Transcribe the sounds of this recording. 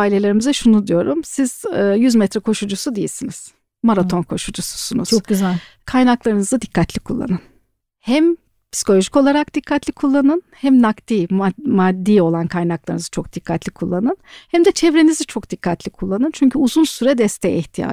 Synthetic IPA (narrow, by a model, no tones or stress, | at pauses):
aːilʲelʲe̞ɾimizɛʃunud̪ijo̞ɾumsiz̥ːjyzmɛt̪ɾɛkʰo̞ʃud͡ʒusud̪eijḭlʲsiniz̥ | maɾat̪ʰo̞nkʰo̞ʃud͡ʒusu̥sunuz̥k̚yzl | kʰajnaklˠaɾɯnɯzad̪ikːat̪lʲikʰulˠːa̰nɯn | hæm | pi̥si̥ko̞lʲo̞ʒiko̞lˠaɾakd̪ikʰːat̪lʲikʰulˠːanɯnhɛmnakt̪ʰiːmad̪ːiːo̞lˠankʰajnaklˠaɾɯnzt͡ʃʰo̞k̚d̪̥ikʰːat̪lʲikʰulˠːanɯnhɛmd̪ɛt͡ʃʰɛvɾenizit͡ʃʰo̞kd̪̥ikʰːat̪lʲikʰulˠːanɯnt͡ʃʰyɲcʰyuzunsyɾɛd̪ɛst̪ʰɛjiçt̪ʰija̰ː